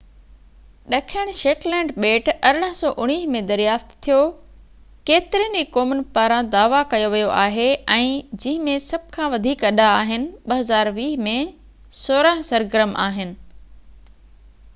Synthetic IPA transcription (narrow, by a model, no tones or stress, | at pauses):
ɗɐkʰəɽ̃ʃeːklɛ̃ːɳɖɓeːʈɐɾəɽ̃əɦsɔːʔʊɽ̃iːɦmẽd̪ɐɾijaːft̪t̪ʰijo | keːt̪ɪɾijənd͡ʑikoːmənpaːɾãd̪aːʋakɐjoʋijoʔaːɦeɛ̃ːd͡ʑɪ̃ɦɪ̃mẽsɐb̚ʱɪkʰãʋɐd̪ʱiːkɐɗaːɦɪnɪ̆ɓɐɦɐzaːɾʋiːɦmẽ | soːɾə̃ɦsɐɾɡɪɾəma̰ːɦɪnɪ̆